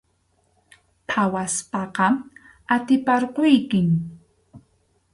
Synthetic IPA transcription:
pʰawaspɑqɑ | at̪ɪpɑɾqojkɪŋ

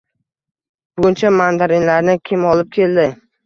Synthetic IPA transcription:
b̥ʊɡʲʊnt͡ʃʰamand̪aɾɪnlaɾnɪkʲʰɪmɒlˠɪp̚kʲʰe̞ld̪ɪ

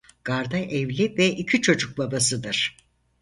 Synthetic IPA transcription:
ɡ̥aɾd̪aʔɛvlʲivɛʔicʰit͡ʃʰo̞d͡ʒuk̚babasɯd̪ɯɾ̥

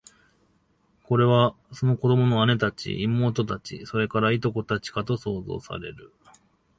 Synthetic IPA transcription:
ko̞ɾe̞βa | so̞noko̞d̪o̞mo̞no̞ane̞t̪at͡ɕḭʔimo̞ːt̪̬o̞t̪at͡ɕḭso̞ɾe̞kaɾait̪o̞ko̞t̪at͡ɕi̥kat̪o̞so̞ːzo̞̰ːsa̰ɾe̞̰ɾɯ̟

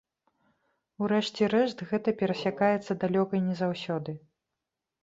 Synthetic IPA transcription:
uɾɛʂt͡sʲɛɾɛʂt̪ɣɛt̪ɐpʲɛɾɐsʲakajɛt̪sːɐd̪alʲɔkɐjnʲɛzawsʲɔd̪ɨ

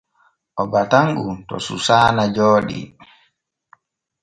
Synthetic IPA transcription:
ʔɔbataŋɡutɔ̰susaːnad͡ʒoːɗḭ

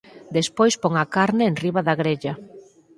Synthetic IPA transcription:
d̪espojspoŋakaɾnɪːnriβaðaɣɾeʎa

